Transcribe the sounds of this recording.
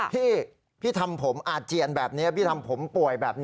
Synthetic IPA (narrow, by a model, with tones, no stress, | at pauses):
pʰiː˥˩ | pʰiː˥˩t̪ʰa˧mpʰo˩˦mʔaː˨˩t̪̚t͡ɕi˧ənbɛː˨˩p̚ni˦˥ɐpʰiː˥˩t̪ʰa˧mpʰo˩˦mpu˨˩əjbɛː˨˩p̚nː˦˥